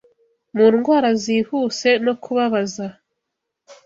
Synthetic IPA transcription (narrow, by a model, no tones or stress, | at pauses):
muːnɡwaːɾaziːhuːse̞no̞kʰuβaβaza